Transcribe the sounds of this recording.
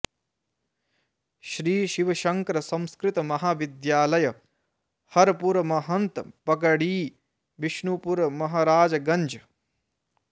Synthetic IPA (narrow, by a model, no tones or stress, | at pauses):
ʃɾiːʃiʋɐʃɐŋkɾɐsɐ̃wskɾɪt̪ɐmɐɦaːʋid̪jaːlɐjɐ | hɐɾɐpuɾɐmɐɦɐnt̪pɐk̬ɐɽiː | ʋiʃɳupuɾɐmɐɦaːɾaːd͡ʒɐɡɐɲd͡ʒɐ